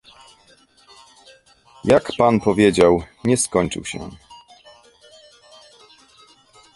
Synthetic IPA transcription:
jakpanpɔvʲjed͡ʑawɲɛskɔɲt͡ʂɘ̰wɕɛ̰

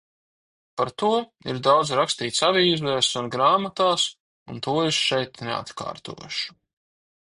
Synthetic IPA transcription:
paɾt̪uɔiɾd̪awd̪zɾakst̪iːt̪saviizvɛɾsunɡɾaːmat̪aːs | unt̪uɔɛsʃɛjt̪nḛa̰t̪ka̰ːɾt̪ṵɔjʃu̥

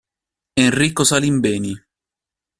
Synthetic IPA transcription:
enriːkosalimbɛːni

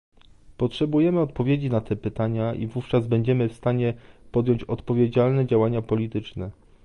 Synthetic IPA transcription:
pɔtʂɛbujɛmɘɔt̪pɔvʲjed͡ʑinat̪ɛpɘt̪aɲaʔḭvuft͡ʂazbɛɲd͡ʑɛmɘfst̪aɲɛpɔd̪jɔɲt͡ɕɔt̪pɔvʲjed͡ʑalnɛd͡ʑawaɲapɔlʲit̪ɘt͡ʂnɛ

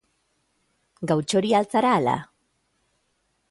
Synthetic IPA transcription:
ɡawt͡ʃo̞ɾialt͡saɾaːla̰

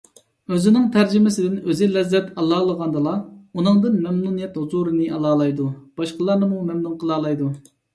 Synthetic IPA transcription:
øzɪnɪŋt̪ʰæɾd͡ʒɪmɪsɪd̪ɪnøzɪlɛzːɛt̪ʰɑlˠɑːlˠəʁɑnd̪ɨlˠɑunɨŋd̪ɨnmɛmnunijɛt̪huzuɾɨnɨʔɑlˠɑːlˠɑjd̪ub̥ɑʃqəlˠɑɾnɨmumɛmnuŋqʰəlˠɑːlˠɑjd̪u

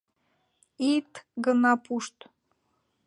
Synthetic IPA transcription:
it̪ɡɤ̆nɑpʰuʃt̪

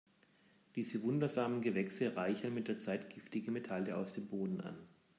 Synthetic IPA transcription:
d̥iːzəvʊndɐzaːmənɡəvɛksəʁaɪçɐnmɪt̚d̥eːɐt͡saɪtɡ̥ɪftɪɡəmetʰaljəa̰ʊsd̥eːmboːdn̩ʔa̰n

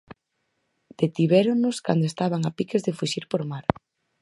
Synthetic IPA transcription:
d̪̥et̪iβɛɾoŋnʊskand̪oest̪aβaŋapikezðefuʃiɾpoɾmaɾ

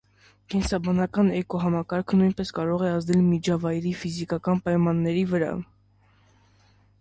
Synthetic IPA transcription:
kɛnsɑbɑnɑkɑnɛkɔɦɑmɑkɑɾkʰənujnpɛskɑɾɔʁɛɑzd̪ɛlmid͡ʒʰɑvɑjɾifizikɑkɑnpɑjmɑnːɛɾivəɾɑ̰

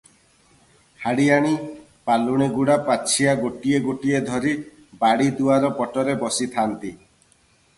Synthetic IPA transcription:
haɽijaɽ̃i | paluɽ̃iɡuɽapat͡ʃʰiaɡoʈieɡoʈied̪ʱɔɾi | baɽid̪uaɾɔpɔʈɔɾebɔsit̪ʰant̪i

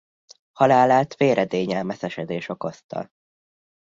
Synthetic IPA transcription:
hɒlaːlaːt̪feːɾʔɛd̪eːɲɛlmɛsɛʃɛd̪eːʃo̞ko̞st̪ɒ̰

